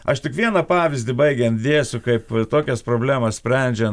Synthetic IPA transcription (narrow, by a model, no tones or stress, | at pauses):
ɐʃt̪ʲɪkʋʲiɛnɐpɑːʋʲɪzʲd̪ʲɪbɐɪɡʲɛnt̪ʲd̪ʲeːsʲʊkɐɪpt̪oːkʲɛspɾoːbʲlʲæːmɐssʲpʲɾʲɛnʲd͡ʒʲɛn